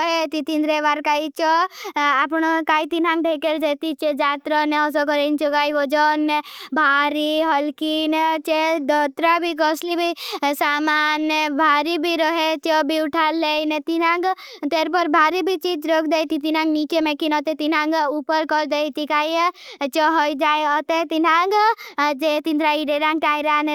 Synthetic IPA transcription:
ɦet̪it̪ind̪ɾeʋaɾkait͡ʃɔapɳokaːit̪inãŋɡ̚ʈekeɾd͡ʒet̪it͡ʃed͡ʒaːt̪ɾɔneɔs̬ɔkɔɾent͡ʃɔkaːjʋɔd͡ʒɔnːebʱaːɾiɦɔlkint͡ʃed̪ɔt̪ɾabʱikɔslibʱisamanebʱaɾibʱiɾəɦet͡ʃɔbʱiuʈʰalejnet̪inãɡ | t̪eɾpəɾbʱaɾibʱit͡ʃid͡ʒɾɔkʰd̪ajt̪it̪inãŋɡnit͡ʃemekinɔt̪et̪inãŋɡupəɾkɔɾd̪ejt̪ikajt͡ʃɔɦojd͡ʒajɔt̪et̪inaɡd͡ʒet̪ind̪ɾaiɖeɾãŋɡ̚ʈajɾan

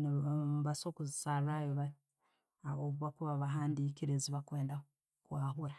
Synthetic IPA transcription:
βasokuzisaɾuajoβa | oβuβakuβaβaɦaːndiːkiɾeziβakweːnda | kwaːɦuɾa

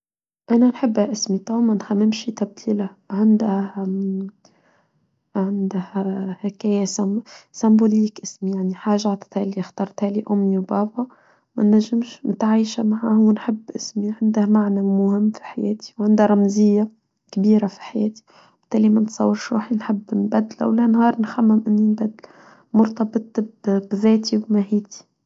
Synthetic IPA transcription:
ʔænænħɪbːæʔɪsmit̪ˤɑwmænxæmːɪmʃit̪æb̚d̪ʰiːla | ʕɪnd̪h | ʕɪnd̪hhɪkæːjasæsæmbuliːkʔɪsmijaʕniħaːʒaʕaʕt̪ˤɑ̥t̪hælixt̪ɑːɾˤt̪hæliʔʊmːiwbɑːba | mæ̰nːæʒːɪmʃnɪt̪ʕaːʃamaʕahuwːnħɪbːʔɪsmiʕɪnd̪əhmaʕnamʊhɪmːfi̥ħajæ̰ːt̪i̥wʕɪnd̪haɾˤɑmzɪjːa | kbiːɾafi̥ħajɛ̰ːt̪i̥ | b̥ɪ̥t̪ːæːlimænt̪sˤɑ̰wːəɾʃɾṵːħinħɪbːnbæd̪ːɪlʔæ̰wlænhɑːɾˤnxæmːɪmʔɪnːinbæd̪ːɪl | mʊɾt̪ˤɑbɨt̪ˤbbðæːt̪iwbmahiːt̪i̥

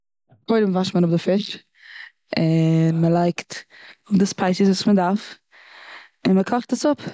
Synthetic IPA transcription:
kɔɪɾəmvaʃməɾʊbdɪfɪʃ | ɪnməlˠaɪktʊbdɪspʰaɪsəs̬vuːsmədaɾf | ɪnməkʰɔχtəsʊp

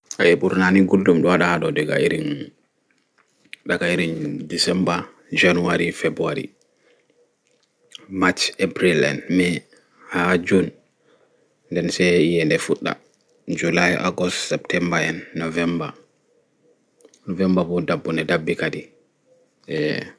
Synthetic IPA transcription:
ʔaɛɓuɾnaniɡuldumɗɔaɗahaɗɔdɛɡa̰iɾin | ɗaɡaiɾindisɛmba | d͡ʒanuwaɾifebɾuaɾḭ | mat͡ʃebɾilɛ̰nmɛ | had͡ʒun | dɛnsɛijɛndɛfuɗːa̰ | d͡ʒulajʔa̰ɡɔstsɛp̚tʰɛmbaɛnːɔvɛmba̰ | nɔvɛmbabɔdabːundɛdabːikadi | ʔɛ

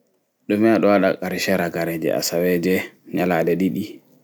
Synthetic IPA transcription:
ɗɔmɛaɗɔwaɗa̰kʼaɾʃɛɾaɡaɾɛd͡ʒɛ̰ʔa̰sawɛd͡ʒɛɲalaɗɛɗiɗi

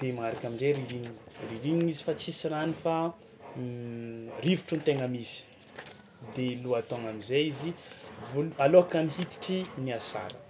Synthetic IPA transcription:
d̪̥emaaɾakʲaminzeɾiɾiɲi̥riɾiɲiizi̥fat͡sisiɾanifa | rivuʈ͡ʂunt̪eŋəmisi̥ | d̪eluat̪oŋamizeizivolualoakamiɦit̪i̥ʈ͡ʂiniasa̰ɾə

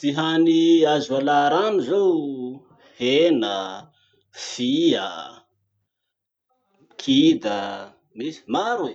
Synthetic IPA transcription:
t̪iɦaniazalaɾanizow | henə | fiə̰ | kʰid̪ə | misi̥maɾe

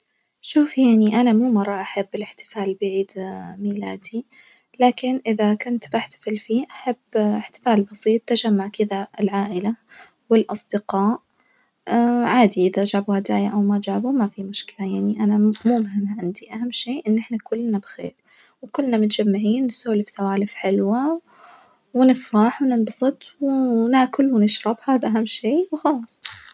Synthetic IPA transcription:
ʃuːfjaʕniʔanamuːmɑrˤːɑʔaħabːɪlɪħt̪ɪ̥faːlbɪʕiːd̪miːlaːd̪i | laːkɪnʔɪðakʊnt̪baħt̪ḁfɪlfiːʔaħabːɪħt̪ɪ̥faːlbɑsˤiːt̪ːad͡ʒamːaʕkɪðaɪlʕaːʔɪla | wɪlʔɑsˤd̪ɪqɑːʔ | ʕaːd̪iʔɪðad͡ʒaːbuhad̪aːjaʔawmad͡ʒaːbumafimʊʃkɪ̥lajaʕniʔanamumhɪmʕɪnd̪iʔahamːʃeːʔɪnːʔɪħnakʊlːnabxḛːɾ | wkʊlːnamʊt̪d͡ʒamːaʕiːnːɪsaːlifsawaːlɪfħɪlwa | wɪnɪfɾɑːħwnɪnbɑsˤɨt̪ˤwɪnaːkʊlwɪnɪʃɾˤɑbhabʔaɦamːʃeːwxɑlɑːsˤː

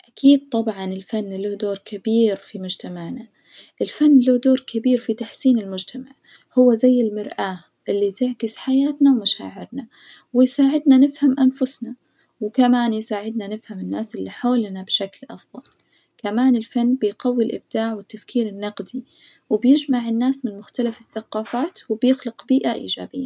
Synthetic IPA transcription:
ʔakiːd̪̚t̪ˤɑbʕɑnɪlfanːlʊhd̪oːɾkʰɪbiːɾfimʊd͡ʒt̪amaʕna | ʔɪlfanːluhd̪oːɾkʰɪbiːɾfit̪aħsiːnɪlmʊd͡ʒt̪ʰamaʕ | hʊwːazajːɪlmɪɾʔaː | ʔɪlːit̪ɪʕkɪsħajaːt̪nawmaʃa̰ːʕɪɾna | wɪjsaːʕɪd̪nanɪfhamʔanfʊsna | wɪkamaːnjɪsaːʕɪd̪nanɪfhamɪnːaːsɪlːiħoːlnabʃaklʔɑfðˤɑl | kamaːnɪlfanːbɪjqawːilʔɪ̰b̚d̪̥aːʕwɪt̪ːafkʰiːɾɪnːɑqd̪i | wɪbjɪd͡ʒmaʕɪnːaːsmɪnmʊxt̪alafɪθːaqɑːfaːt̪wɪbjɪxlɪqbiːʔaʔḭːd͡ʒa̰ːbɪjːa̰

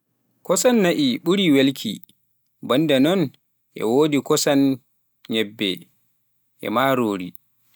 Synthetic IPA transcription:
kɔsanːaʔiɓuɾiwelkʰḭ | bɔndɛnɔn | ʔɛ̰woːdikɔsan | ɲɛbːɛ̰ | ʔɛ̰maːɾoːɾḭ

